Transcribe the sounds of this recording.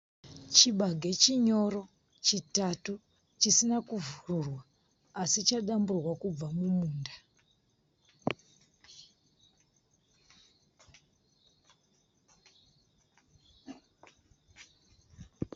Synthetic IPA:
t͡ʃiɓaɡʱe̞t͡ʃiɲo̞ɾo̞ | t͡ʃitatu | t͡ʃisinakuvururwaː | sit͡ʃaɗamburwakub͡vamumuːnda

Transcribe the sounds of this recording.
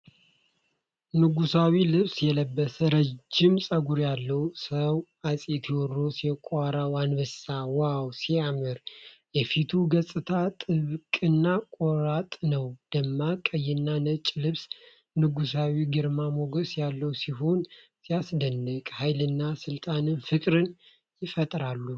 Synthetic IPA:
nɨɡusawilɨβsjɛləbːəsəɾəd͡ʒːɪmsʼəɡuɾjalːəwsəw | asʼet̪ʰiwɔrːo̞siɛkʼʷaɾawanbɨsawawsiamɨɾ | jɛfit̪ʰuɡəsʼɨt̪ʰat̪ʼɨβkʼɨnːakʼoɾat̪ʼnəwd̪̥əmːakʼəjɪnːanət͡ʃʼlɨβs | nɨɡusawiɡɨɾmamoɡəsjalːəwsiɦo̞n | sijasd̪ənːɨkʼhajlɨnːasɨlt̪ʼanɨnfɨkʼɾɨn | jɪfət̪ʼɾalːu

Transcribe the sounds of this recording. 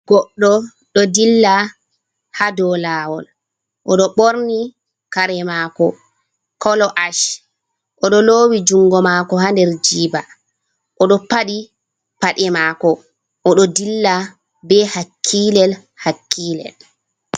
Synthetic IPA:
ɡ̥ɔɗːɔ | ɗɔdilːa | hadɔlawɔl | ʔɔɗɔɓoɾni | kaɾɛmakɔ | kɔlɔʔaʃ | ʔɔɗɔloːwid͡ʒuŋɡɔmaːkɔhandɛɾd͡ʒiːba | ʔɔɗɔpaɗi | paɗɛmakɔ | ʔɔɗɔdilːa | bɛhakʰːiːlɛl | hakʰːiːlɛ̰l

